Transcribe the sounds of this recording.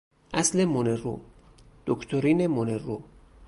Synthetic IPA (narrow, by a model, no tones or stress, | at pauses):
ʔæslemonero̰ | d̪̥okʰt̪ʰoɾiːnemonero